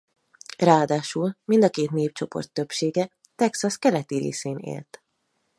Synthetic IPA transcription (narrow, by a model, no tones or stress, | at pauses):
raːɒd̪aːʃulmind̪ɒkeːt̪neːpt͡ʃo̞po̰rt̪ːøpʃeːɡɛ | t̪ɛksɒskɛlɛt̪iɾḛːseːnḛːlt̪